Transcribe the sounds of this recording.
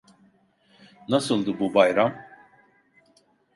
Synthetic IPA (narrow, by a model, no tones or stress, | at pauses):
nasɯlˠd̪ɯbubajɾam